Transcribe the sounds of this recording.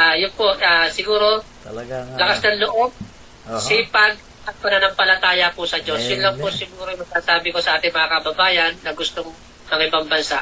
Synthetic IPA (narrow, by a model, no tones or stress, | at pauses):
ʔajʊnpoaːsɪɡuːɾo̞ | lɐkasd̪ɐŋloʔo̞b̚ | sipɐɡ̚ | ɐt̪̚pɐnɐnɐŋpɐlɐt̪aːjɐpʊsɐd͡ʒo̞sjʊnlɐŋposɪɡuːɾojmɐɡ̥̚saːsaːbɪkosɐʔaːt̪ɪŋmɐŋakɐbɐbaːjɐnːɐɡʊst̪oŋ | mɐŋɪbɐŋbɐnsaʔ